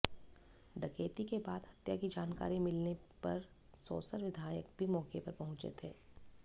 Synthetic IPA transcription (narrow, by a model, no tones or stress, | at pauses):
ɖɐkeːt̪ikebaːd̪ɦɐt̪jakid͡ʒaːnka̰ːɾimɪlnepɐɾ | sɔ̰ːsəɾʋɪd̪ʱaːjək̚bʱimɔːkepɐɾpɐɦʊ̃t͡ʃḛt̪ɦɛː